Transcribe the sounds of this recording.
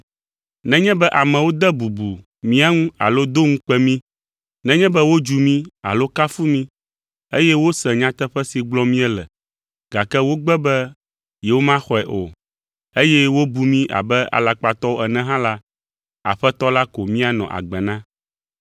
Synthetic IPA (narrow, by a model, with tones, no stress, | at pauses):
nɛ̃˦ɲɛ̃˦bɛ˦ʔa˨mɛ̃˨wo˦d̪ɛ˦bu˨bu˨ | mĩ˦a˦ŋũ˦a̰˨lo˦d̪o˦ŋũ˦k͡pɛ˦mĩ˦ | nɛ̃˦ɲɛ̃˦bɛ˦wo˦d͡ʒu˨mĩ˦a̰˨lo˦ka˦fu˦mĩ˦ | e˦jɛ˦wo˦sɛ̃˨ɲã˦t̪ɛ˦ɸɛ˦si˨ɡ͡blɔ̃˦mĩ˦ɛ˦lɛ̰˨ | ɡ̥a˨kɛ˦wo˦ɡ͡bɛ˦bɛ˦ | jɛ˨wo˦mã˦xɔ˨ɛ˨ʔo̰˨ | e˦jɛ˦wo˦bu˨mĩ˦ʔa̰˨bɛ˦a̰˨la˨k͡pa˨t̪ɔ˦wo˦ɛ˨nɛ̃˨ɦã˦la˦ | a̰˨ɸɛ˦t̪ɔ˦la˦ko˨mĩ˦a˨nɔ̰̃˨ʔa̰˨ɡ͡bɛ˨nã˦